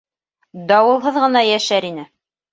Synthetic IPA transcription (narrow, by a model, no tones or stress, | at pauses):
d̪ɑwɤ̆lˠɦɤðʁɤ̆nɑjæʃæɾinɘ